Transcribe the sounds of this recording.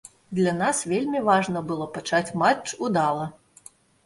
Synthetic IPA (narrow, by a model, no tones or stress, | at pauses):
d̪lʲanasvʲelʲmʲivaʐnɐbɨlˠɔpat͡ʂat͡sʲmat͡ʂud̪alˠɐ